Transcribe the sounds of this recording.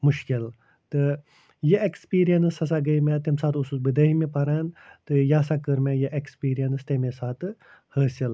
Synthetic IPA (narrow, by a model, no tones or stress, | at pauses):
muʃkil | t̪ɨ | jeʔekspiːɾijɐnɨsɐsaɡɐimɛt̪emsaːt̪ususbɨd̪ɐɦimepɐɾaːnt̪ɨjaːsakəɾmɛjeʔekspiːɾijɐnɨst̪emesaːt̪ɨ | həːsil